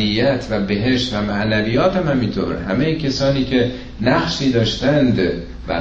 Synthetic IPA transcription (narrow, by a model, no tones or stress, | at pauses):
ijːæt̪ʰvæbeɦe̞ʃt̪væmæʔnæviːjɒːt̪æmhæmint̪ʰo̰ːɾhæmejecʲʰesɒːniːcʰe̞ | næχʃiːd̪ɒːʃt̪ænd̪ | bæ̰